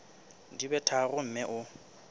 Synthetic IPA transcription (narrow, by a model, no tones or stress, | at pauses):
dibɛtʰarʊm̩mɛʔʊ